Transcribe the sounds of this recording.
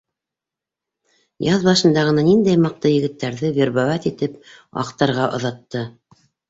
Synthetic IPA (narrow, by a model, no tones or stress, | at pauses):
jɑðbɑʃɤ̆nd̪ɑʁɤ̆nɑnind̪æjmɑq̚t̪ɤjɘ̆ɡɘ̆t̪ːæɾðɘβʲeɾβɑwæt̪it̪ɘpɑ̰qt̪ɑɾʁɑʔŏ̰ðɑt̪ːɤ